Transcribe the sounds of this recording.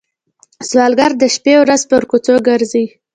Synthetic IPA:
swɑlɡaɾd̪əʃpewɾazpəɾkut͡soɡəɾzi

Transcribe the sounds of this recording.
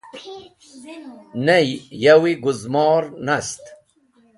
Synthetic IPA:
nejjɐwiɡuzmɑːɾnɐst̪

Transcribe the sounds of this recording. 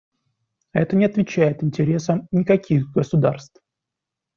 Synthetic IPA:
ɛt̪ənʲɪɐt̪vʲɪt͡ɕæjɪt̪ɪnʲtʲɪɾʲe̞səmnʲɪkɐkʲiɣɡəsʊd̪a̰rst̪f

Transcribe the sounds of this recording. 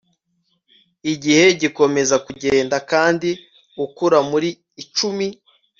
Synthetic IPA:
iɟihe̞ɟiko̞me̞zakuɟeːndakaːndi | ukuɾamuɾiː | t͡ʃumi

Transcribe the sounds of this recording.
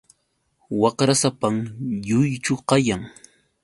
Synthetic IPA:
wɑqɾasapamjʊjt͡ʃʊqɑjaŋ

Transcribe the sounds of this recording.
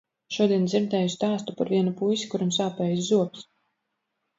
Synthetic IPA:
ʃuɔd̪iɛnd̪ziɾd̪ɛːjust̪aːst̪upaɾviɛnupujsi̥kuɾamsaːpɛːjszuɔps

